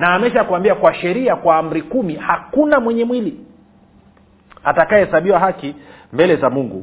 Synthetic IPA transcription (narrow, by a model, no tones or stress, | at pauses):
naːmɛʃakuambiakwaʃɛɾiakwaːm̩ɾikumihakunamwɛɲɛmwili | atakaɛɛsaɓiwaɦaki | mbɛlɛzamuŋɡṵ